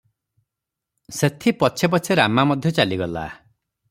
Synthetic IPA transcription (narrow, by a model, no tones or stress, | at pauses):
set̪ʰipɔt͡ʃʰep̬ɔt͡ʃʰeɾamamɔd̪ʱjɔt͡ʃaliɡɔla̰